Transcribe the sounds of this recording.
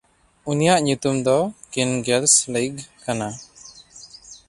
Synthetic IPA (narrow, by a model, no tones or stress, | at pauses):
unijaʔɲut̪umd̪ɔkinɡɛlsliɡkana